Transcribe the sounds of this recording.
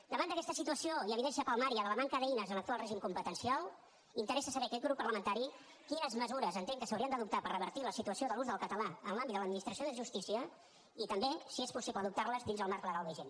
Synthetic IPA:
d̪əβand̪əkɛst̪əsit̪uəsioiəβiðɛnsiəpəlˠmaɾiəðələmaŋkəðəinəzənlək̚t̪ualˠreʒimkumpət̪ənsialˠ | int̪əɾɛsəsəβɛəkɛt̪ɡɣɾupːərləmənt̪aɾi | kinəzməzuɾəzənt̪eŋkəsəwɾiənəðup̚t̪apərəβəɾt̪iləsit̪uəsioðəluzðəlˠkət̪əlaənlambit̪d̪əd̪minist̪ɾəsioðəʒust̪isiə | it̪əmbesiespusipləðup̚t̪arləzd̪inzðəlˠmaɾkləɣalˠd̪əʒen

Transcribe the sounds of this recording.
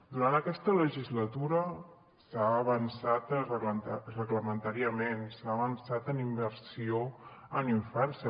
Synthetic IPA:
d̪uɾant̪əkɛst̪ələʒizlət̪uɾə | saːβənsat̪ | rəɣləmənt̪aɾiəmensaəβənsat̪ənimbəɾsioəniɱfɛrsə

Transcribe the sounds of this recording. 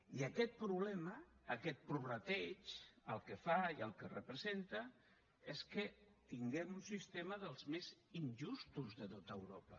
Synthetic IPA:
iəkɛt̪̚pɾuβlɛməːkɛt̪̚pɾuβrət̪ɛt͡ʃəlˠkəfaiəlˠkərəpɾəzent̪ə | eskə | t̪iŋɡɛmunsist̪eməðəlˠzmezinʲʒust̪uzðət̪ot̪əwɾopə

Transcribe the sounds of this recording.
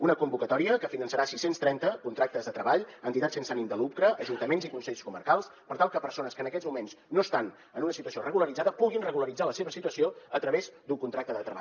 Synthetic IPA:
unəkumbukət̪ɔɾiəkəfinənsəɾasisenst̪ɾɛnt̪əkunt̪ɾak̚t̪əzðət̪ɾəβaʎənt̪it̪att͡ssensanimd̪əlup̚kɾəəʒunt̪əmenzikunsɛʎskumə̰ɾkalˠspəɾt̪alˠkəpəɾsonəskənəkɛzmumensnoəst̪an | ənunəsit̪uəsiorəɣuləɾid͡zaðəpuɣinrəɣuləɾid͡zaləseβəsit̪uəsioət̪ɾəβezd̪uŋkunt̪ɾak̚t̪əðət̪ɾəβa̰

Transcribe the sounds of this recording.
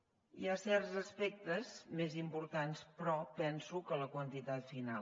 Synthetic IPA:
iasɛrzəspɛk̚t̪əzmezimpuɾt̪anspɾɔpɛnsukələkwənt̪it̪at̪fina

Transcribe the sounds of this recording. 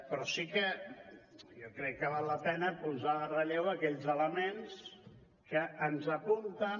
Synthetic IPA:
pɾɔsikə | jɔkɾɛkːəβ̞alːəpɛnəpuzarəʎewəkɛʎzələmens | kəʔənzəpunt̪ə

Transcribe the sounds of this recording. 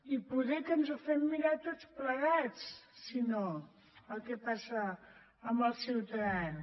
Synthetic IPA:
ipuðɛkənzufɛmːiɾat̪ott͡spləɣat͡ssino | əlˠkepasə | əmbəlˠsiewt̪ɾan

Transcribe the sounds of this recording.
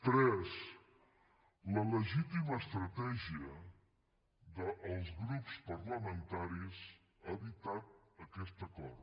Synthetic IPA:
t̪ɾɛz | lɐləʒit̪imɐʃt̪ɾɐt̪ɛʒiɐ | ðɐʔːwzɣɾupu̥spɐɾlɐmẽnt̪aɾiz | aðit̪at̪̚ɐkɛst̪ɐkɔɾð

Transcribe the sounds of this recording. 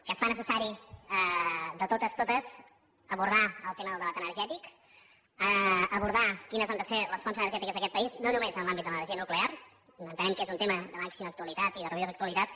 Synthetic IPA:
kəːsfanəsəsaɾiəd̪ət̪ot̪əst̪ot̪əz | əβuɾð̞aəlˠt̪eməðəlˠd̪əβat̪ənəɾʒɛt̪ik | əəβuɾðakinəzand̪əseləsfonzənəɾʒɛt̪ikəzðəkɛt̪̚pəiznonumezənlˠambit̪d̪ələnərʒiənukleaɾ | ənt̪ənɛmkezunt̪eməðəmaksiməːk̚t̪uəlit̪at̪iðərəβiðozəkt̪uəlit̪at̪̚

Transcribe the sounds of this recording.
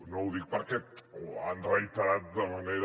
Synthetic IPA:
nowðik̚paɾketoanrejt̪aɾat̪ðamaneɾ

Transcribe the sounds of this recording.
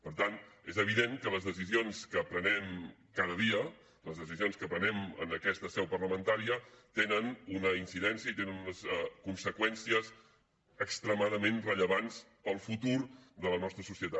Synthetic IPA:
pəɾt̪anezəβ̞iðeŋkələzðəs̬izionskəpɾənɛmkaðəðiə | ləzðəsizionskəpɾənɛmə̰nəkɛst̪əsɛwpərləmənt̪aɾiət̪enənunəinsiðɛnsiəit̪enənunəskunsəkwɛnsiəz | əkst̪ɾəmaðəmẽnrəʎəβanzpəlˠfut̪uɾd̪ələnɔst̪ɾəsusiət̪at̪

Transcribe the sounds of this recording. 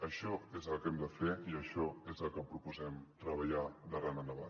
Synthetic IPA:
əʃɔezəlˠkɛmd̪əfeiəʃɔezəlˠkəpɾupuzɛmt̪ɾəβəʎad̪ərananəβa

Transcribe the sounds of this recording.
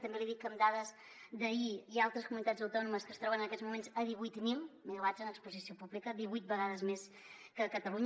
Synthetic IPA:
t̪əmbeliðikːəmd̪aðəz | d̪əiialˠt̪ɾəskumunit̪ad͡zəwt̪ɔnuməskəst̪ɾɔβənənəkɛzmumenzəðiβujt̪milˠmilad͡zənəkspuzisiopuβlikədiβujt̪̚bəɣaðəzmes | kəkət̪əluɲ

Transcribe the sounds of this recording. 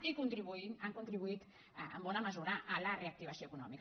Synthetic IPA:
ikunt̪ɾiβuinaŋkunt̪ɾiβuit̪ | ə̰mbɔnaməzuɾaʔːlareak̚t̪iβɐsioəkunɔ̰mik

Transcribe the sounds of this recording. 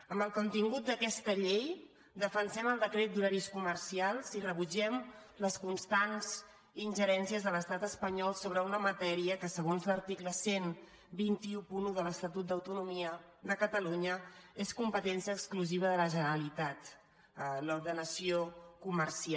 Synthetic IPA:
əmbəlˠkunt̪iŋɡut̪̚d̪əkɛst̪əʎej | d̪əfənsɛməlˠd̪əkɾet̪̚d̪uɾaɾiskuməɾsialˠzirəβ̞ud͡ʒɛmləskunst̪anz̥ | inʲʒəɾɛnsiəzðələst̪at̪əspəɲɔlˠsoβ̞ɾəunəmət̪ɛɾiəkəsəɣ̞onzləɾt̪ikləsen | bint̪iupunuðələst̪ət̪ut̪̚d̪əwt̪unumiə | ðəkət̪əluɲəeskumpət̪ɛnsiəːkskluziβ̞əðələʒənəɾəlit̪at̪ | əluɾðənəsiokuməɾsia

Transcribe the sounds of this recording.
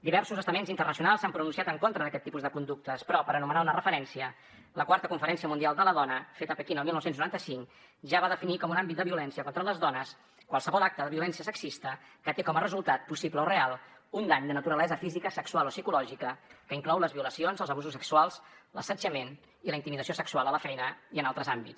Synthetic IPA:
d̪iβɛɾsuzəst̪əmenzint̪ərnəs̬iunalˠsampɾununsiat̪əŋkont̪ɾəðəkɛt̪ːipuzðəkund̪uk̚t̪əspɾɔpəɾənumənaunərəfəɾɛnsiə | ləkwaɾt̪əkuɱfəɾɛnsiəmund̪ialˠd̪ələðɔnəfet̪əpəkinəlˠmilˠnɔwsenznuɾant̪əsiŋk | ʒaβaðəfinikɔmunambit̪̚d̪əβiulɛnsiəkont̪ɾələzðɔnəs | kwalˠsəβɔlak̚t̪əðəβiulɛnsiəsəksist̪əkət̪ekɔmərəzulˠt̪at̪̚pusipləorealˠund̪aɲd̪ənət̪uɾəlɛzəfizikəsəksualˠosikulɔʒikəkəiŋklɔwləzβiuləsionzəlˠzəβuzusːəksualˠslə̰səd͡ʒəmen | iləint̪imiðəsiosəksualˠələfɛjnəiənalˠt̪ɾəzambits

